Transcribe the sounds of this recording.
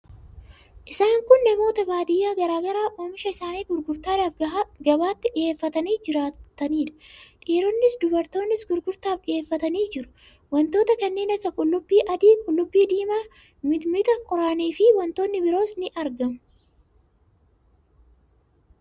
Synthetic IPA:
ʔɪsaːŋkʊnːɛmo̞ːt̪ɐbaːd̪ɪjːaːɡɐɾaːɡɐɾaːʔoːmɪʃɐɪsaːniːɡʊɾɡʊɾt̪aːd̪aːfɡɐbaːt̪ːɪᶑɪeːfːɐt̪ɐniːd͡ʒɪɾaːt̪ɐniːᶑɐ̥ᶑiːɾɔnːɪsd̪ʊbɐɾt̪o̞ːnːɪsɡʊɾɡʊɾt̪aːfkɪeːfːɐt̪ɐniːd͡ʒɪɾʊ̥ | wɐnt̪o̞ːt̪ɐkɐnːe̞ːnɐkːɐkʼʊlːʊbːiːʔɐd̪iːkʼʊlːʊbːiːd̪iːma | mɪmɪt̪ɐkʼɔɾaniːfɪwɐnt̪o̞ːnːɪbɪɾo̞ːsnɪʔɐɾɡɐm

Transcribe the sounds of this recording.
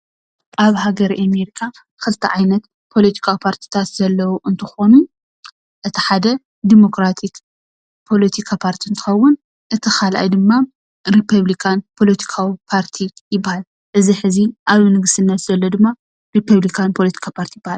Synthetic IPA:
ʔaβhaɡɐɾiʔameɾikʰa | kʰɨlt̪ʰːɐ̰ʕajnɐt̪ | pʰo̞lɐt̪ʰi̥kʰawipʰaɾt̪ʰi̥t̪ʰat̪zɐlːɐwuʔɨnt̪ʰɨxo̞nu | ʔɨt̪ʰiħad̪ɐ | d̪imo̞kɾat̪ʰik | pʰo̞lɐt̪ʰikʰapʰaɾt̪ʰiɨnt̪ʰɨ̥xɐwːʊn | ʔɨt̪ʰixʰalʔa̰jd̪ɨmːa | ɾipʰɐβlikʰanpʰo̞lɐt̪ʰi̥kʰawipʰaɾt̪ʰijɪbːahal | ʔɨziħɨziʔaβnɨɡɨsɨnːɐt̪zɐlːo̞d̪ɨmːa | ɾipʰːɐβlikʰanpʰolɐt̪ʰi̥kʰapʰaɾt̪ʰijbːahal

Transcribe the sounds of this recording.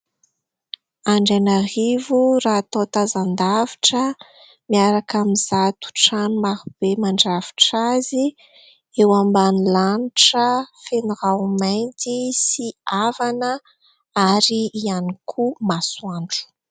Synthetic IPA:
aɳɖ͡ʐenaɦivurat̪ot̪azand̪avi̥ʈ͡ʂə | miaɾakamizat̪u̥ʈ͡ʂanmaɾub̥emaɳɖ͡ʐav̥i̥ʈ͡ʂazi | ewambanilaniʈ͡ʂəfeniɾamajnt̪isiavanə | aɾiːanikʰumasuaɳɖ͡ʐu̥

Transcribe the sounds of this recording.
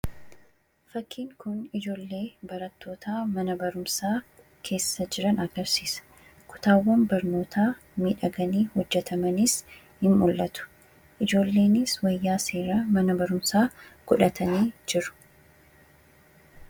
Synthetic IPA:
fɐkʰːiːŋkʊnɪd͡ʒo̞ːlːe̞ːbɐɾɐt̪ʰːo̞ːt̪ʰaːmɐnɐbɐɾʊmsaː | kʰe̞ːsːɐd͡ʒɪɾɐnɐɡɐɾsiːsɐ̥ | kʊ̥t̪aːwːɐmbɐɾno̞ːt̪ʰaː | miːᶑɐɡɐniːhɔd͡ʒːɛt̪ʰɐmɐnɪs | hɪmmʊlːɐt̪ʊ̥ | ʔɪd͡ʒo̞ːlːe̞ːnɪswɐjːaːse̞ːɾɐmɐnɐbɐɾʊmsaːɡ̥ʊᶑɐt̪ʰɐniːd͡ʒɪɾʊ̥

